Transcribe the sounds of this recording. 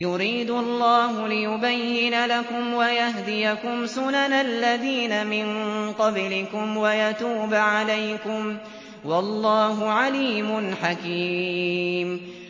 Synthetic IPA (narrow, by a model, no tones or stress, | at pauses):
jʊɾiːd̪ʊʔlˤːɑːɦʊlɪjʊbajːɪnalakʊmwajaɦd̪ɪjakʊmsʊnanalːaðiːnamɪnqɑblɪkʊmwajat̪uːbʕalajkʊm | wɑlˤːɑːɦʊʕaliːmʊnħakiː | m